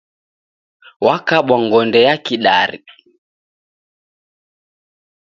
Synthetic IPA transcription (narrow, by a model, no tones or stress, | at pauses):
wakaɓaŋɡɔndɛjakiɗaɾḭ